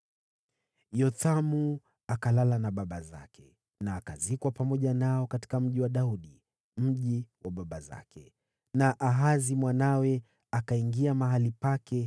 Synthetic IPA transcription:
jɔtamu | akalalanaɓaɓaza̰kɛ | naːkazikwapamɔʄanaɔkati̥kam̩ʄiwaɗauɗi | m̩ʄiwaɓaɓaza̰kʰɛ | naʔaɦazimwanawɛ | akaiŋɡiamaɦalipakɛ

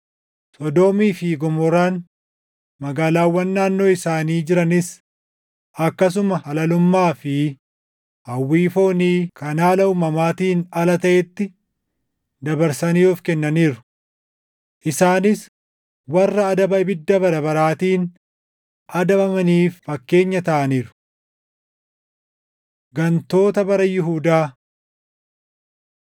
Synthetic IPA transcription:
sɔd̪oːmiːfiɡɔmɔɾaːn | mɐɡaːlaːwːɐnːaːnːo̞ːɪsaːniːd͡ʒɪɾɐnɪs | ɐkːɐs̬ʊmɐhɐlɐlʊmːaːfɪ | hɐwːiːfoːniːkɐnaːlɐʊmɐmaːt̪iːnɐlɐt̪ɐʔɛt̪ːɪ | d̪ɐbɐɾsɐniːɔfkɛnːɐniːɾʊ̥ | ʔɪsaːnɪs | wɐrːɐːd̪ɐbɐɪbɪd̪ːɐbɐɾɐbɐɾaːt̪iːn | ʔɐd̪ɐbɐmɐniːfːɐkːe̞ːɲːɐt̪ɐʔɐniːɾʊ̥ | ɡɐnt̪o̞ːt̪ɐbɐɾɐjɪɦuːd̪aː

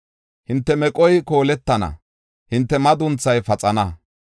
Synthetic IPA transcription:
hɪnt̪ːɛmɛkʼɔjko̞ːlɛt̪ːɐnɐ̰ | hɪnt̪ːɛmɐd̪ʊnt͡sːɐjfɐt͡sʼɐnɐ

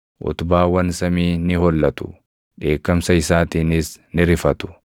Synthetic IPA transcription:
ʔʊ̰t̪ʊbaːwɐnsɐmiːnɪhɔlːɐt̪ʊ̥̰ | ᶑe̞ːkːɐmsɐɪsaːt̪iːnɪsnɪɾɪfɐt̪ʊ̥

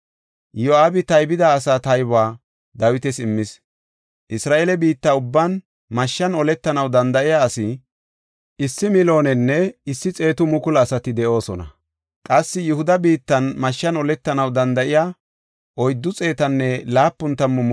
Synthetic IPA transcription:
jɔaːbɪt̪ɐjbɪd̪aːsaːt̪ɐjbaː | d̪ɐwɪt̪ɛsɪmːɪs | ʔɪsɾaːʔeːlɛbiːt̪ːaːʊbːɐn | mɐʃːɐnɔlɛt̪ːɐnɐwd̪ɐnd̪ɐʔɪjaːsɪ | ʔɪsːɪmɪlo̞ːnɛnːɛɪsːɪt͡sʼe̞ːt̪ʊmʊkʊlɐsɐt̪ɪd̪ɛʔo̞ːsɔnɐ̰ | kʼɐsːɪjʊhʊd̪ɐbiːt̪ːɐnmɐʃːɐnɔlɛt̪ːɐnɐwd̪ɐnd̪ɐʔɪja | ʔɔjd̪ːʊt͡sʼe̞ːt̪ɐnːɛlaːpːʊnt̪ːɐmːʊm

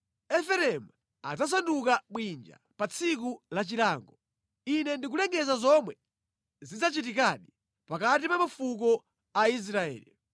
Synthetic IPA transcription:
ɛfɛɾɛmu | ad͡zas̬andukaɓwind͡ʒa̰ | pat͡sʰik̬ulat͡ʃilaːŋɡɔ | inɛndikulɛŋɡɛzazɔmwɛ | zid͡zat͡ʃit̬ikaɗi | pakatipamafuk̬ɔ | ais̬ɾaɛ̰ːlḭ

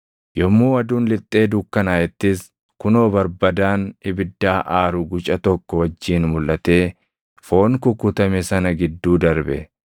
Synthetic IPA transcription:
jɔmːuːɐd̪uːnlɪt̪ʼːe̞ːd̪ʊkːɐnaːjɛt̪ːɪs | kʊno̞ːbɐɾbɐd̪aːnɪbɪd̪ːaːʔaːɾʊɡʊt͡ʃʼɐt̪ɔkːɔwɐd͡ʒːiːnmʊlʔɐt̪e̞ː | fo̞ːnkʊkːʊt̪ɐmɛsɐnɐɡɪd̪ːuːd̪ɐɾbɛ̰

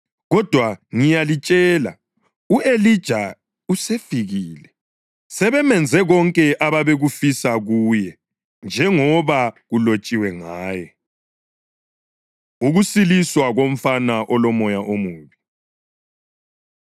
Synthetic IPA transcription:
ɣɔd̥ʱwaŋijalit͡ʃʼɛːla̰ | uelid̥ʒ̥ʱa | usefiɣiːlɛ | sɛβɛmɛnd͡zʱɛɣɔŋkʼɛʔaβaβeɣufisaɣuːjɛ | nd͡ʒʱɛŋɔβaɣulot͡ʃʼiwɛŋaːjɔ | uɣusiliswaɣom̩fanaʔɔlɔmɔjaʔomuːβi

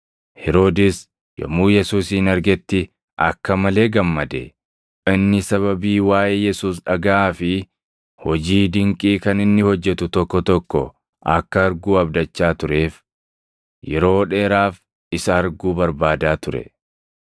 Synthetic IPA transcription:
hɛɾo̞ːd̪ɛs | jɐ̰muːjɛsuːsiːnɐɾɡɛt̪ːɪ | ʔɐ̰kːɐmɐle̞ːɡɐmːɐd̪ɛ | ɪnːɪsɐβɐbiːwaːʔeːjɛsuːs̬ᶑɐɡaaːfɪ | hɔd͡ʒiːd̪ɪŋkʼiːkɐnɪnːɪhɔd͡ʒːɛt̪ʊt̪ɔkːɔt̪ɔkːɔ | ʔɐkːɐɐɾɡuːɐbd̪ɐt͡ʃːaːt̪ʊɾe̞ːf | jɛɾo̞ːᶑe̞ːɾaːf | ɪsɐːɾɡuːbɐɾbaːd̪aːt̪ʊɾɛ̰

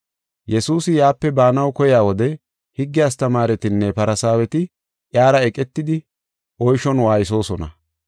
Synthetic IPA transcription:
jɛsuːsɪjaːpːɛbaːnɐwkɔjɪaːwɔd̪ɛ | hɪɡːɪjaːs̬t̪ɐmaːɾɛt̪ɪnːɛpɐɾɐsaːwɛt̪ɪ | ʔjaːɾɐɛkʼɛt̪ːɪd̪ɪ | ʔɔjʃɔnwaːjɪs̬o̞ːsɔnɐ̰

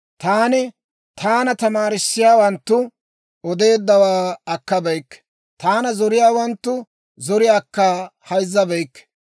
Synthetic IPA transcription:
t̪aːnɪ | t̪ʰaːnɐt̪ɐmaːɾɪsːɪjaːwɐnt̪ːʊ | ɔd̪e̞ːd̪ːɐwaːɐkːɐbɛjkː | t̪aːnɐzɔɾɪjaːwɐnt̪ːʊ | zɔɾɪjaːkːaːhɐjzːɐbɛjkː

